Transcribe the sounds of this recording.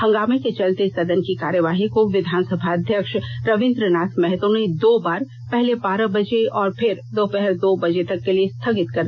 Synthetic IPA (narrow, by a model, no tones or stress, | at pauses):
hɐ̃ŋɡaːmeket͡ʃɐlt̪esɐd̪ənkikaːɾjəʋaːɦikoʋɪd̪ʱaːnsəbʱaɐd̪ʱjəkʃɾɐʋɪ̃nd̪ɾənaːt̪ʰmɛɦɛt̪õned̪oːbaːɾ | pɛɦlebaːɾəbɐd͡ʒeɔːɾpʰɪɾd̪oːpɛɦɛɾd̪oːbɐd͡ʒet̪ɐkːeliest̪ʰɐɡɪt̪kɐɾd̪